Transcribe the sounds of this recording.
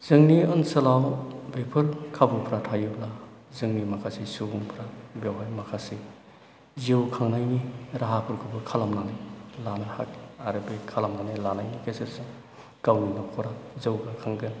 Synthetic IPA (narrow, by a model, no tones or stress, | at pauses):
z̥ɯŋniɯnsɐlawbepʰɯɾkʰabupʰɾatʰajublazɯŋnimakʰasisuɡuŋpʰɾabjewɦajmakʰasi | ziwkʰaŋnajniɾaɦapʰɯɾkʰubɯkʰalamnanɯjlanɯhakaɾɯbekʰalamnanilanajnikesɯɾsɯ | kawninakʰɔɾazɯwɡakʰaŋɡɯn